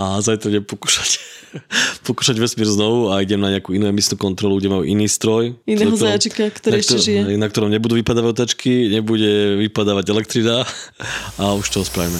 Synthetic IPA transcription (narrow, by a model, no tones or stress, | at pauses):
azajt̪ɾaɲɛpɔku̥ːʃḁc | pɔkuːʃaɟʋɛsmiːɾznɔʋuaiɟɛmnaɲɛakuːinuɛmisnuːkɔnt̪ɾɔluɡɟɛmajṵʔiniːst̪ɾɔjinɛɦɔzajat͡ʃikakt̪ɔɾaiɛʃɛʒijɛɛnakt̪ɔɾɔmɲɛbud̪uːʋipad̪aːʋaɟɔt̪at͡ʃkʰiɲɛbuɟɛʋipad̪aːʋaɟɛlɛkt̪ɾina | auʃt̪ɔɔspɾa̰ːʋimɛ